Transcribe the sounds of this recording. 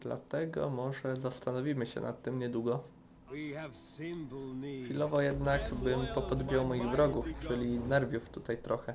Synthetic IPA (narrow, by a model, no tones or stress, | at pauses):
d̪la̰t̪ɛɡɔ̰mɔʐɛzast̪anɔvʲimɘɕɛ̰na̰t̪ːɘmɲɛd̪wuɡɔ | ɪmlxfʲilɔvɔjɛd̪naɡbɘmpɔpɔd̪bʲijɔwmɔjiɣvɾɔɡuft͡ʂɘlʲinɛɾvʲjuft̪ut̪ajt̪ɾɔxɛ